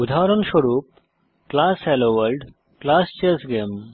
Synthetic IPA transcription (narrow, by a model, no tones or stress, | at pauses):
ud̪ʱaɾəɳɕəɽuːp̚ | klasheloʋəɾɖ | klast͡ɕesɡem